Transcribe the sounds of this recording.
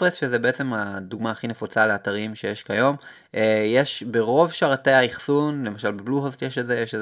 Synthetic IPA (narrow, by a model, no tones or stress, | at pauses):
pʁesʃezebeet͡se̞maduɡmaːχine̞fot͡saleataʁimʃe̞jeʃkajo̞m | ejeʃbe̞ʁo̞vʃaʁateaiχsunle̞maʃalbebluɦostjeʃetzejeʃ